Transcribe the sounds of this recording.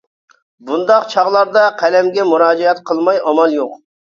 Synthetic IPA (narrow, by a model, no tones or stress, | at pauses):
bund̪ɑqt͡ʃʰɑʁlˠɑɾd̪ɑqʰælɛmɡʲɛmuɾɑːd͡ʒɛɛt̪qʰəlˠmɑjɑmɑlˠjoq